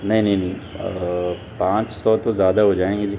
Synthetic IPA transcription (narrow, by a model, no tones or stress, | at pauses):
nɐɦĩnɐɦĩnɐ̃ɦĩ | pãːt͡ʃsɔt̪ozjaːd̪aɦod͡ʒaːẽːŋɡid͡ʒiː